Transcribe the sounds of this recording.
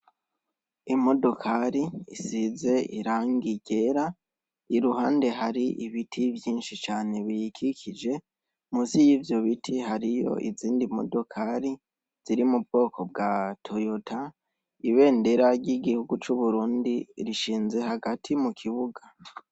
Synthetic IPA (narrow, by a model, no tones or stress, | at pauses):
imo̞do̞kʰaɾiisize̞ḭɾaːŋɡiɟ̥e̞ɾa | iɾuɦaːnde̞ɦaɾiʔiβitʰivjiːnʃit͡ʃaːne̞βijikikʰid͡ʒe̞ | muzijiːvjo̞βitʰihaɾijo̞̰ʔḭziːndimo̞̰do̞kʰaɾi | z̥iɾimub̚ɡo̞ːkʰo̞b̚ɡatʰojotʰa | iβe̞ːnde̞ɾaɟiɡihuɡut͡ʃuβuɾuːndiɾiʃiːnze̞haɡatʰimukʰiβuɡa